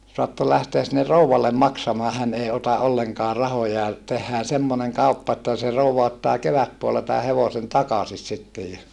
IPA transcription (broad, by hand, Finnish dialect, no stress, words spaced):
soɑtːol læhteæs sinːe rouwɑlːem mɑksɑmɑː hæn ei otɑ ʔolːeŋkɑː rɑhojɑ tehːæː semːoneŋ kɑupːɑ etːæ se rouʋɑ otːɑː keʋætpuolːɑ tæː heʋosen tɑkɑsis sitːej jɑ